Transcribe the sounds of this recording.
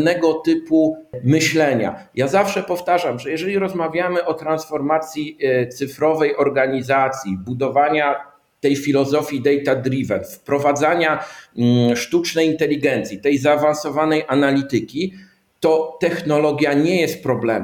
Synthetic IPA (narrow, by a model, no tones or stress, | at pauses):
nɛɡɔt̪ɘpumɘɕlɛɲa̰jazafʂɛpɔft̪aʐamʐɛjɛʐɛlʲiɾɔzmavʲjamɘʔɔt̪ɾansfɔɾmat̪sʲjit̪sɘfɾɔvɛjʔɔɾɡaɲizat̪sʲjibud̪ɔvaɲa | t̪ɛjfʲilɔzɔfʲjid̪ɛjt̪ad̪ɾivɛ̰nfpɾɔvad̪zaɲa | ʂt̪ut͡ʂnɛjint̪ɛlʲiɡɛnt̪sʲjit̪ɛjzaːvansɔvanɛjʔanalʲit̪ɘkʲi | t̪ɔt̪ɛxnɔlɔɡʲjaɲɛjɛst̪̚pɾɔblɛm